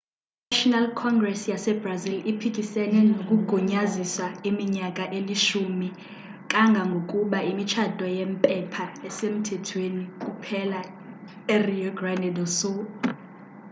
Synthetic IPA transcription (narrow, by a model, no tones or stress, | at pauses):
iaʃɔnalkʰɔŋɡrɛsjasɛbrazilipʰikʼisɛnɛnokʼuɡ̥ʱɔɲaziswaimiɲakʼaʔeliʃumi | kʼaŋɡʱaŋɡʱokʼuɓaimit͡ʃʰad̥ʱɔjempʼɛpʰaɛsem̩tʰɛtʰwenikʼupʰɛla | ɛriɔɡrandɛdɔsɔ